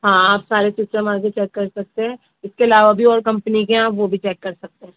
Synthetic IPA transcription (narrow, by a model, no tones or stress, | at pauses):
ɦãːaːpsaːɾesusɾəmãːk̬et͡ʃɛːkːɐɾsɐk̚t̪eɦɛ̃ː | ɪskeɐlaːʋabʱiɔːɾkɐ̃mpənikeaːpʋobʱit͡ʃɛːkːɐɾsɐk̚t̪eɦɛ̃ː